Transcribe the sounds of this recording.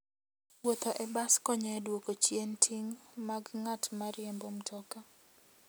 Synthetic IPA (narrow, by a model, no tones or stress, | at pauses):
wot̪oʔɛbaskɔɲɛdwokot͡ʃjentʰiŋmaɡŋatmaɾɪɛmbomtʰɔka